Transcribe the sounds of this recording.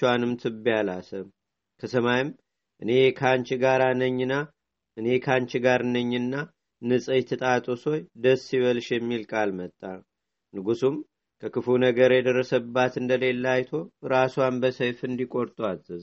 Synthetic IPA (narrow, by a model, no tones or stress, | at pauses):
wanɨmt̪ʰɨbijalasəm | kʰəsəmajɪm | ʔɨne̞kʰant͡ʃɡaɾanəɲːɨna | ʔɨne̞kʰant͡ʃɡaɾɨnəɲːɨnːa | nɨsʼɨjt̪ʰət̪ʼat̪ʼoso̞jd̪əsːiβəlʃjɛmːilkʼalmət̪ʼːa | nɨɡusum | kʰəkɨfunəɡəɾjɛd̪ərːəsəbːat̪ɨnd̪əle̞lːajt̪ʰo̞ɾaswanbəsəjfɨnd̪ikʼo̞ɾt̪ʼazɨz